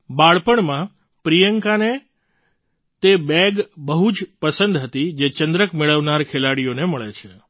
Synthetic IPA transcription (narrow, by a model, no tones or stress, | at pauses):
baɭpəɳmã | pɾijəŋkane | t̪ebɛɡbəɦud͡ʒpəsənd̪ɦət̪id͡ʒet͡ʃənd̪ɾəkmeɭəʋnaɾkʰelaɽijoneməɭet͡ʃʰe